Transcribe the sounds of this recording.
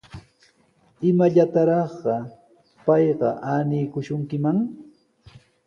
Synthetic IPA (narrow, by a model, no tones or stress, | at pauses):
ɪmaʎat̪aɾɑχɢɑ | pɑjɢɑʔaːnijkʊʃʊŋkɪmaŋ